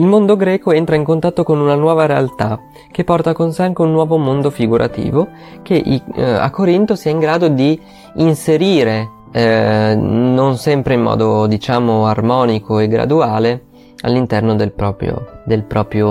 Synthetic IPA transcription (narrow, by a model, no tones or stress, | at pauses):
ilmond̪oɡɾɛːkoent̪ɾaiŋkont̪at̪ːokonunanwɔːvaɾealt̪a | k̟epːɔrt̪akonseaŋk̟eunːwɔːvomond̪ofiɡuɾʔa̰t̪ḭːvo | k̟eʔia̰kːoɾint̪osiɛiŋɡɾaːd̪od̪iː | nseɾiːɾe | nonsɛmpɾeimːɔ̰ːd̪od̪it͡ʃaːmoarmɔːnikʰoeɡɾa̰d̪uaːle | a̰lːint̪ɛrnod̪elpɾɔːpɾjo̰d̪elpɾɔːpɾjo